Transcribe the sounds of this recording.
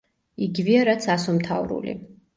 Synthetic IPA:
iɡiviaɾat̪sʰasɔmt̪ʰavɾṵlḭ

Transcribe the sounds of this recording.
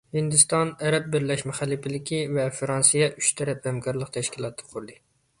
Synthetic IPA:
hɪnd̪ust̪ɑnæɾɛp̚bɪɾlɛʃmɛχælːɪpʰɪlɪkʲʰivɛfɾɑnsijɛʔyt͡ʃt̪ʰɛɾɛphɛmkʰɑɾlˠəq̚t̪ʰɛʃkʲilˠɑt̪ʰːə̥qʰʊɾɨd̪ɨ

